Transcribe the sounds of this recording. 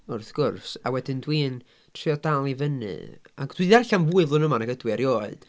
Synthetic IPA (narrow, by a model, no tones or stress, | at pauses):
ʊrθɡ̥ʊrsawɛdɨndwiːn | tʰriɔdalˠivənɨ̰a̰d̥wiarɬanvuɨðlˠʊnəmanaɡədwɨaɾjoːɨd̥